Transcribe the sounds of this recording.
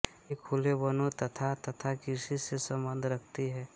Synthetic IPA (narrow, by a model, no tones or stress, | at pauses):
ekʰulebənõt̪ɐt̪ʰat̪ɐt̪ʰakɪsisesɐ̃mbə̃nd̪ʱɾəkʰt̪iɦɛː